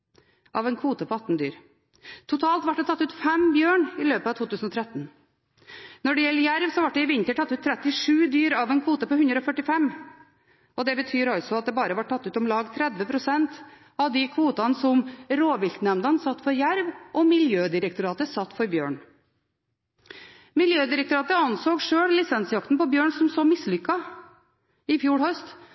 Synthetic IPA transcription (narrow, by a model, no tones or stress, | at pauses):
ʔɑːʋɛːnkʰʋuːt̪əpʰɔɑt̪n̩d̪yːɾ | t̪ʰʊt̪ʰɑːlt̪ʋɑʈ̚d̪ɛt̪ʰɑt̪ːʉːt̪fɛmbjøːɳɪløːpəɑːt̪ʰuːt̪ʉːsn̩ɔt̪ʰɾɛt̪n̩ | nɔɖɛjɛlːəjæɾʋsɔʋɑʈ̚d̪ɛɪʋɪnt̪əʈʰɑt̪ːʉːt̪ʰːɾɛt̪ɪʂʉːd̪yːɾɑʋɛːnkʰuːt̪əpɔhʉnd̪ɾɔfœʈɪfɛm | ʔɔd̪ɛbət̪ʰyːɾɑlsɔɑt̪̚d̪ɛːbɑːɾəʋɑʈ̚ʰːɑt̪ːʉːt̪ɔmlɑːɡt̪ʰɾɛd̪ʋəpʰɾʊsɛnt̪ | ɑʋd̪ɪkʰʋuːt̪ɑnsɔmɾoːʋɪlt̪nɛmd̪ɑnsɑt̪ːfɔɾjæɾʋʔɔmɪljøːd̪ɪɾɛkt̪ʊɾɑːt̪əsɑt̪ːfɔɾbjø̰ːɳ | mɪljøːd̪ɪɾɛk̚t̪ʊɾɑːt̪əɑnsoːɡʂøːɽlɪsɛnsjɑkt̪n̩pɔbjøːɳsɔmsoːmɪslʏkːɑ | ɪfjuːɽhœst̪